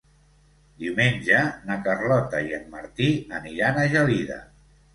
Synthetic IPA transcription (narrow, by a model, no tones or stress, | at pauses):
d̪iwmenʲd͡ʒənakərlɔt̪əiəmːəɾt̪iəniɾanəʒəliðə̰